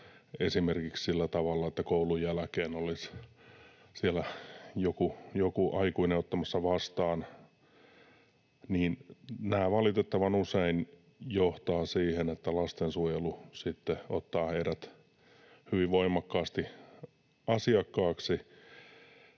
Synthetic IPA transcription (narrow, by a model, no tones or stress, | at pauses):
esimerkikssilːæt̪ɑʋɑlːɑet̪ːækoulujælækeːnolis | sielæjokujokuʔɑikuineot̪ːɑmɑsːɑʋɑst̪ɑːn | niːnnæːʋɑlit̪et̪ːɑʋɑnusein | joht̪ɑːsiːhenet̪ːælɑst̪ensuojelusit̪ːeo̰t̪ːɑːheiɾæt̪ | hyʋiʋʋoimɑkːɑːst̪i | ɑsiɑkːɑːksi